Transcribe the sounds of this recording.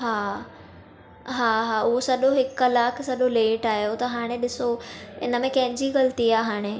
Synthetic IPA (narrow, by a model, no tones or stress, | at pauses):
ɦaː | ɦaːɦaːʊɦosɐɗoɦɪklaːkʰsɐɗoleːʈaːɦijot̪ɐɦaːɽ̃eɗɪsoɪ̰nəmẽkɐ̃ɦɪ̃ɲd͡ʑiɣɐlt̪iaːɦaːɽ̃e